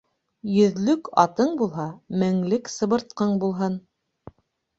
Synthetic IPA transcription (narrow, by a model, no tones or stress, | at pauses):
jɵ̆ðlɵkɑ̰t̪ɤɴbulˠɦɑmɘ̆ŋlɘksɤ̆βɤ̆ɾt̪̚qɤɴbulˠɦɤn